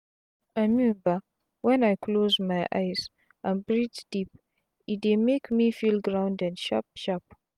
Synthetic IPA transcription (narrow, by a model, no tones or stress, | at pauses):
amjuba | wɛ̃najkʰlozmajʔa̰jz | ʔãnbɹidzd̥ip | it̚demekmifilˠɡɹãʊ̃ndɛ̃ndʃa̰p̚ʃap̚